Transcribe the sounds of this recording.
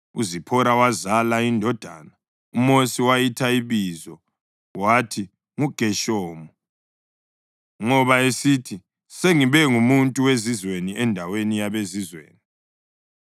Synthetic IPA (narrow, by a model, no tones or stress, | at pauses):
uzipʰɔɾawazalaindʱɔd̥ʱa̰na | umosiwajitʰaiβizɔ | watʰi | ŋuɡ̥ʱɛʃɔːmɔ | ŋɔβaesitʰi | seŋiβɛŋumuntʼuwezizweniɛndʱawenijaβezizwḛːni